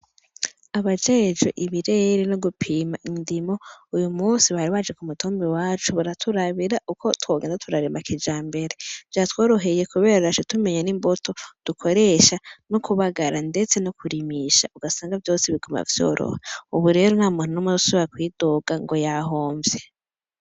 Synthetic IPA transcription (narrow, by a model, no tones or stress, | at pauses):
aβad͡ʒe̞ːd͡ʒoʔiβiɾeɾenoɡupʰiːmaʔindimo̞ujumuːnsiβahaɾiβad͡ʒekumutʰoːmbiwaːt͡ʃuβaɾatʰuɾaβiɾaʔuko̞twoːɡeːndatʰuɾaɾemakid͡ʒaːmbe̞ɾe̞vjaːtwo̞ːɾo̞ɦe̞je̞kuβe̞ːɾaɾaʃetume̞ɲanimbotʰo̞d̥ukʰo̞ɾe̞ːʃanokuβaɡaɾande̞t͡se̞nokʰuɾimiʃa̰uɡasaːŋɡavjo̞ːsiβiɡoma̰vjo̰ːɾʔo̰heuβuɾe̞ːɾon̥haːmuːnunomuusoβiakwiːdo̞ɡaŋɡo̞jaɦoːɱvje̞